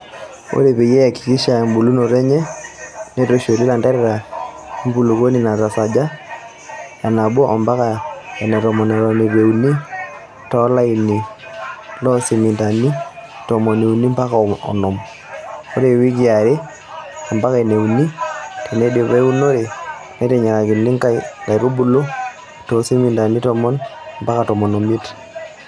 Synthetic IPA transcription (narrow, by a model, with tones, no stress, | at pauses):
o̰˦ɾe˨pe˨jɛ˦a˨ki̥˨ki˦ʃa˨mbu˨lu˦no˨ɾɛ˦ɲɛ˦ne˦to˦ʃo˨ɾi˦la˨ndɛ˦ɾɛ˦ɾa˨ | i˦mpu˦lu˨ko˦ni˦˨na˨ta˨sa˨d͡ʒa˦ | ja˨na˨ɓwɔ˦ʔɔ˨mba˦ka˨ɛ˨nɛ˨tɔ˨mɔ˨nɛ˨ɾɔ˨ne˨ɾe˨u˨ni˦ | tɔ˦la˦ini˨ | lɔ˦si˨mi˨nta˨ni˦ | tɔ˨mɔ˨ne˨u˨ni˦mba˦ka˨ɔ̰˨nɔ˨m | o˦ɾe˨wi˦ki˨a˨ɾi˦ | ɔ˨mba˦ka˦ɛ˨ne˨u˨ni˦te˨ne˦do˨βe˦u˦no˦ɾe˨nɛ˨˦tɛ˨ɲa˨ka˨ki˨nːi˦ŋka˦la˨jɾu˦bu˦lo˦ | tɔ˦si˦mi˨nda˨ni˦tɔ˦mɔ˦nmba˦ka˨tɔ˨mɔ˨no˨mi˦t